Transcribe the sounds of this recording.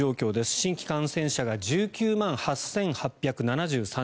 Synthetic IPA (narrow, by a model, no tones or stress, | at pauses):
o̞ːkʲo̞ːd̪e̞sɨ̥ɕĩŋkʲi̥kãɰ̃sẽ̞ɰ̃ɕaɡad͡ʑɨːkʲɨːmãɰ̃hasẽ̞ŋhapʲːjakɯ̟nanaʑɨːsã